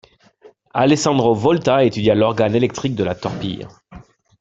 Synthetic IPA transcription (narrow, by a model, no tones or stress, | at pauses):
alesɑ̃d̪ʁovɔlt̪aet̪yd̪jalɔʁɡanelɛk̚t̪χik̚d̪əlat̪ɔʁpḭj